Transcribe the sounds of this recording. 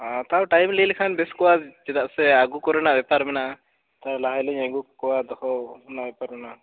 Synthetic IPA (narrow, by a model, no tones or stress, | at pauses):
ãt̪awʈajmlilkʰanbɛskɔwad͡ʒɛd̪aʔsɛaɡukɔɾɔnabɛpaɾmɛnaʔ | t̪aɾlaɦajlɛɲaɡukɔwad̪ɔkɔnaʔbɛpaɾmɛna